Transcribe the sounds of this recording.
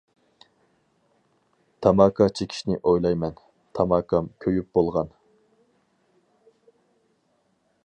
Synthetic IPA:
t̪ʰɑmɑːkʰɑt͡ʃʰekʲʰi̥ʃnɪʔojlˠɑjmɛn | t̪ʰɑmɑːkʰɑmkʲʰøjyp̚b̥olˠʁɑn

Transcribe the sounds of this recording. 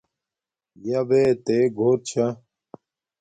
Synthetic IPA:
jɐbet̪eːɡʱoːɾt͡ɕʰɐ

